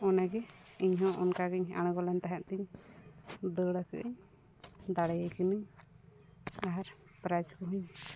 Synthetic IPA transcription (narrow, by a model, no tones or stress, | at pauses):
ɔnaɡɛiɲɦɔ̃ʔɔnkaɡɛɲa̰ɽ̃ɡɔlant̪aɦaʔt̪iɲ | d̪əɽakə̰ʔiɲ | d̪aɽɛjakinɯɲ | aɾ | pɾad͡ʒkɔɦuɲ